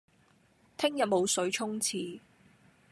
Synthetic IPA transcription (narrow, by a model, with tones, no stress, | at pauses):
t̪ʰɪ˥ŋjɐ˨t̚mo˨˧wsɵ˨˥ɥt͡ʃʰʊ˥ŋt͡sʰiː˨˧